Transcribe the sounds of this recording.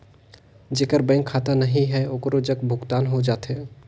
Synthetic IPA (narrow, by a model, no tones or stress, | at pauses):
d͡ʒeːkəɾbɛ̃ːŋkʰːaːt̪anɐɦĩɦɛoːkɾod͡ʒəkbʱʊɡt̪aːnɦod͡ʒaːt̪ɦɛː